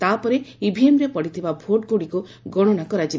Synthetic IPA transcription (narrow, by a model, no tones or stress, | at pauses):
t̪apɔɾeibʱiemɾepɔɽit̪ʰibabʱoʈɡoɽiku | ɡɔɽ̃ɔnakɔɾad͡ʒi